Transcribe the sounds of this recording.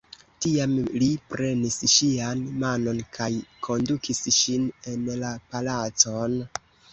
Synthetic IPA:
tiamlipɾe̞nisʃianmano̞nkʰajkʰo̞ndukʰisʃine̞nlapalat͡so̞n

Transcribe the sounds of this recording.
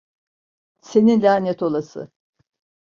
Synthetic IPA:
se̞ninlʲaːnɛt̪ʰo̞lˠasɯ̰

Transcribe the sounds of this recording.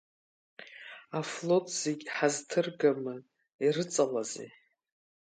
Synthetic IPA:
aflo̞tʰʼz̥eɡʲħaztʰɨrɡamɨ | irɨt͡sʼalazḛ

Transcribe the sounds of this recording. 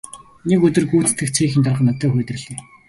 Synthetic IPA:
nekɵt̪ɵ̆rɡuːt͡s̪ʰt̪ʰɘ̆kt͡sʰxiːxɘ̆nt̪ʰarʁə̆nɔt̪œːxʊːt̪ɘ̆rɮeː

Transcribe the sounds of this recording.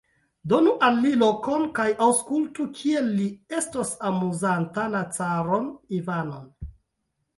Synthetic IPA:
do̞nuʔalːilo̞konkajʔawskultukʰielːie̞stosamuzantanat͡saɾonivanon

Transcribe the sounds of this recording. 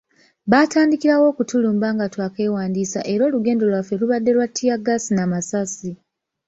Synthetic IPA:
βaːtaːndikiɾawo̞ːkutuluːmbaːŋɡatwake̞ːwaːndiːsa̰ʔe̞ɾo̞ːluɡe̞ːndo̞lwafe̞luβadːe̞lwatʰːijaɡasinamasasi

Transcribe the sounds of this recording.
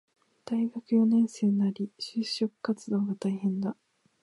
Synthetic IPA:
d̪̥aiɡakɯ̟jo̞nẽ̞ɰ̃se̞ːaɾʲiɕɨːɕo̞kɯ̟̥kat͡sɨd̪o̞ːɡat̪aihẽ̞nd̪a

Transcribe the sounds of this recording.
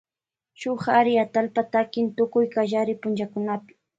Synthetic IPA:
ʃʊχaɾɪat̪alpat̪akɪnt̪ʊkʊjkaʒaɾɪpʊnt͡ʃakʊnapɪ̥

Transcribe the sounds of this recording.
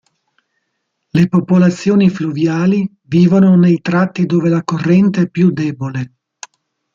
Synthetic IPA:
lepopolat̪sːjoːnifluvjaːli | viːvononejt̪ɾat̪ːid̪oːvelakorːɛnt̪eɛpːjud̪ɛːbole

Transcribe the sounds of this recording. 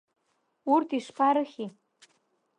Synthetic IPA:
urt̪ʰiʂpʰaɾəxʲi

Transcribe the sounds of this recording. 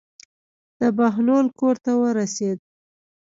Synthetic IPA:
d̪̥əbaɦlolkoɾt̪awəɾased̪̚

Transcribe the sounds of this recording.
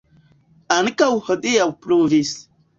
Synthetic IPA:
ankawhəɗijawpɾovis

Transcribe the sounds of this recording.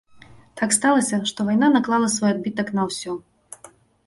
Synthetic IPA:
t̪ʰakst̪alˠɐsʲɐʂt̪ɔvajnanɐklˠalˠɐsvɔjaɐd̪̚bʲit̪ɐknɐwsʲɔ

